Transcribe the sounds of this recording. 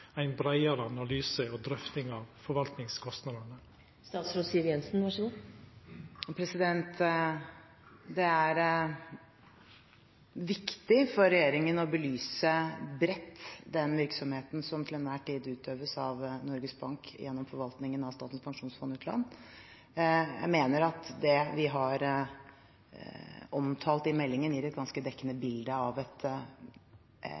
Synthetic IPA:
æɪnbɾæɪɑɾəɑnɑlyːsəɔd̪ɾœft̪ɪŋɑʋfɔɾʋɑlt̪nɪŋskʰɔst̪nɑd̪ɑɳə | st̪ɑːt̪sɾoːsiːʋjɛnsn̩ʋæʂəu | pʰɾɛsɪd̪ɛnt̪ | d̪ɛæɾ | ʋɪkt̪ɪfɔɾːɛjeːɾɪŋənɔbəlyːsəbɾɛt̪ːd̪ɛnʋɪɾksɔmheːt̪n̩sɔmt̪ʰɪlhɛnʋæːʈiːd̪ʉːt̪ʰøːʋəsɑʋnɔɾɡəsbɑŋkjɛ̰nːɔmfɔɾʋɑlt̪nɪŋənɑʋst̪ɑːt̪n̩spʰɑŋʂuːnsfɔnʉːt̪ʰlɑ̰nː | jæ̰ɪmeːnəɾɑt̪d̪ɛʋɪɦɑɾ | ɔmt̪ʰɑːlt̪ɪmɛlːɪŋənɪɾɛt̪̚ɡɑnskəd̪ɛkːənəbɪld̪əɑʋɛt̪

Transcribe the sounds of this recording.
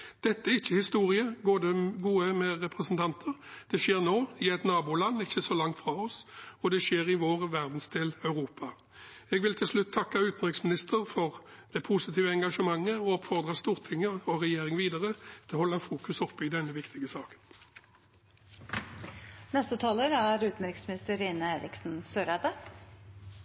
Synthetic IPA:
d̪̥ɛt̪ːəɪçːəhɪst̪uːʁɪəɡoːd̪ɛɡuːəmɛʁɛpʁəsnt̪ʰɑnt̪ʰəʁd̪̥ɛʂeːʁnoːɪɛt̪nɑːbuːlɑnːɪçːəsɔlɑŋt̪fʁɑːɔsɔd̪ɛʂeːʁɪʋoːʁʋæʁd̪n̩sd̪eːlœʉʁuːpʰɑ | ɛɡʋɪlt̪ʰɪlslʉt̪ʰːɑkːɑʉːt̪n̩d̪ʁɪksmɪnɪst̪ʰəʁfɔʁd̪̥ɛpʰusɪt̪ʰiːʋəɛŋɡɑʂəmɑŋːəɔɔpfɔʁd̪ʁɑst̪uːʁt̪ʰɪŋːəɔʁɛjeːʁɪŋʋiːd̪əʁət̪ʰɪlhɔlːɑfuːkʉsɔpːɪd̪ɛnːəʋɪkt̪ʰɪɡəsɑːkə̥n | nɛst̪ət̪ʰɑːləɾæɾʉːt̪n̩ɾɪksmɪnɪst̪əɾeːnəeːɾɪ̰ksn̩søːɾɑd̪ə

